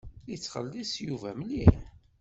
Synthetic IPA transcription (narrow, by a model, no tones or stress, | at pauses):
it͡sːχə̰lːisjuvæmli